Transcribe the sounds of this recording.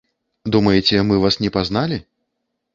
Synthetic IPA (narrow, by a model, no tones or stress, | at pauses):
d̪umɐjɛt͡sʲɛmɨvasnʲɛpaznalʲi